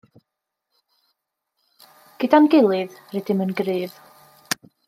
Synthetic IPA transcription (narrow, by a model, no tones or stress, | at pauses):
ɡ̥ɨdanɡɪlˠɪðrɛdɪmənɡrɨːð